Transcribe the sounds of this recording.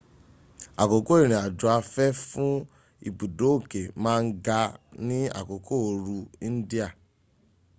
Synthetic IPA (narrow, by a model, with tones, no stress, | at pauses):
a˨ko˨ko˦i˦˨ɾ̃ĩ˨a˨du˨a˧fɛ˦fũ˦ | ḭ˨bu˨do˨˦o˦˨ke˨mãː˦˧n̩˦ɡa˧nĩ˦a̰˦˨ko˨kʰo˦o˧ɾu˧ĩ˦n̩˦di˦a˦˨